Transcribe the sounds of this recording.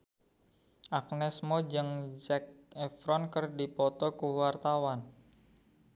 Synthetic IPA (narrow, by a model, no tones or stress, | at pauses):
ʔak̚nɛsmɔd͡ʒɨŋd͡ʒɛk̚ɛfɾɔnkərdipɔt̪ɔkuwart̪awan